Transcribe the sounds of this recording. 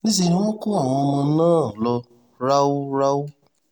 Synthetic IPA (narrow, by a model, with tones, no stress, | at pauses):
nĩ˦z̬i˧˨ɾĩ˦w̃ɔ̃˦ku˦a˦˨w̃ɔ̃˧o˧mã˧˦nãː˦˨lɔ˧ | ɾa˦wu˦ɾa˦wu˦